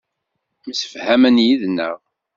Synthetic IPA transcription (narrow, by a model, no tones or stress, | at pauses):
məsə̥fhæmənjiðnːə̰ʁ